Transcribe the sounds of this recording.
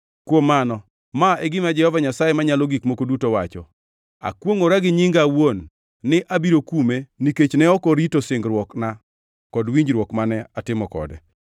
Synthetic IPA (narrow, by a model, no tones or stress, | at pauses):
kwomːanɔ | maɛɡɪmad͡ʒɛhɔvaɲasajemaɲalɔɡikmokodutowa̰t͡ʃɔ̰ | a̰kwoŋoɾaɡɪɲɪŋɡawonː | ɪʔabiɾokumeniket͡ʃnɛɔkɔɾitosɪŋɡɾwɔkna | kɔdwiɲd͡ʒɾwɔkmanɛatɪmɔkɔ̰dɛ̰